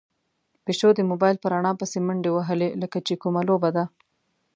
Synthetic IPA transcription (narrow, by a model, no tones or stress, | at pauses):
peʃod̪əmobɑjlpəɾaɳɑpəseməɳɖewaɦəleləkat͡ʃekumalobad̪a